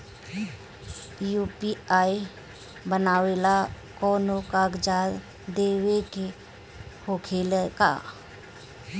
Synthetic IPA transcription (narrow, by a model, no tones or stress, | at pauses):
juːpiaːi | bənaːwela | kɔːnokaːɡd͡ʒaːɾ | d̪eːweke | hoːkʰeːlka̰ː